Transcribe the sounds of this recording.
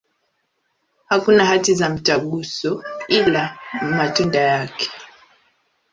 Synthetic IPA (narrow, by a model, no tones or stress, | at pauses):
hakunahatizam̩t͡ʃaɠusɔilamatundajakɛ̥